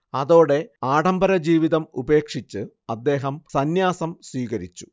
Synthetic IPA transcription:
ɐðo̞ːɽe̞aːɽɐmbɐɾɐd͡ʑiːʋiðɐmube̞ːkʂit͡ɕːɨ | ɐd̪ːe̞ːɦɐmsɐnjaːsɐmswiːɣɐɾit͡ɕːu̥

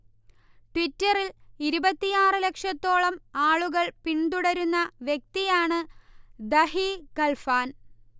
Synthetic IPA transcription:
ʈʋitːɐriliɾubɐt̪ːijaːrɨle̞kʂɐt̪ːo̞ːɭɐmaːɭuɣɐɭpiɳd̪uɽɐɾunːɐʋjek̚t̪ijaːɳɨd̪ɐɦikɐlfaːn

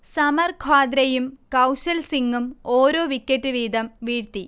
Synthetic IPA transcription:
sɐmɐrkʰaːd̪ɾɐjumkɐwsɐlsiŋːumoːɾoːʋikʲːɐtːɨʋiːd̪ɐmʋiːɾt̪i

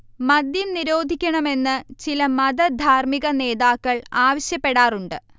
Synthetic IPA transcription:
mɐd̪jɐmniɾo̞ːd̪ʱikʲːɐɳɐme̞nːɨt͡ɕilɐmɐd̪ɐd̪ʱaːrmiɣɐne̞ːðaːkːɐɭaːʋɐɕjɐpːe̞ɽaːruɳɖɨ

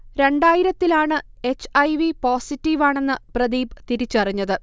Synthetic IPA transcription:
ɾe̞ɳɖaːjiɾɐt̪ːilaːɳɨe̞t͡ɕːɐjʋipoːsitːiʋaːɳe̞nːɨprɐd̪iːbt̪iɾit͡ɕːuɐriɲːɐðɨ

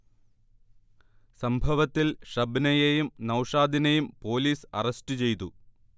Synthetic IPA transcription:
sɐmbʱɐʋɐt̪ːilʂɐbnɐjejumnɐwʂaːd̪ʱinɐjumpo̞ːliːsɐ̰rɐstɨt͡ɕe̞jt̪u

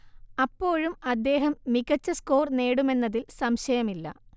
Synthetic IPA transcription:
ɐpːo̞ːɻumɐd̪ːe̞ːɦɐmːiɣɐt͡ɕːɐsko̞ːrneːɽume̞nːɐðilsɐmɕɐjɐmilːɐ̰

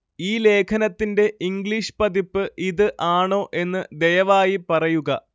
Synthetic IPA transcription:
iːle̞ːkʰɐnɐt̪ːinde̞ʔiŋɡɭiʂpɐd̪ipːɨʔiðɨʔaːɳo̞ːʔe̞nːɨd̪e̞jɐʋaːjipɐrɐjuɣɐ

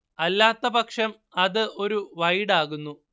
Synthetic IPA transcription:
ɐlːaːt̪ːɐbɐkʂɐm | ɐðɨʔo̞ɾuʋɐjɽaːɣunːu

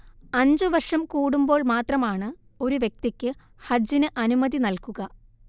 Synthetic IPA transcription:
ɐɲd͡ʑɨʋɐrʂɐmkuːɽumbo̞ːɭmaːt̪rɐmaːɳɨ | o̞ɾuʋjeɐk̚t̪ikʲːɨ | hɐd͡ʑːinɨʔɐnumɐðinɐlkuɣɐ

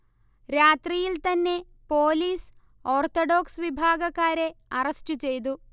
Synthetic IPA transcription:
ɾaːt̪rijilt̪ɐnːe̞ | poːliːs | oːrt̪oɖoːksʋibʱaːɡɐkːaːɾe̞ɐrɐsʈut͡ɕe̞jt̪̬u

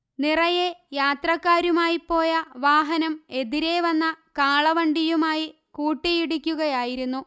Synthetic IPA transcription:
nirɐjejaːt̪rɐkːaːɾumaːjipːo̞ːjɐʋaːɦɐnɐme̞ðiɾe̞ːʋɐnːɐkaːɭɐʋɐɳɖijumaːji | kuːʈːijiɽikʲːuɣɐjaːjiɾunːu

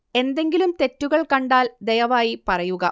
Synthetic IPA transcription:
e̞nd̪e̞ŋɡilumt̪e̞tːuɣɐɭkɐɳɖaːld̪ejɐʋaːjipɐrɐjuɣɐ

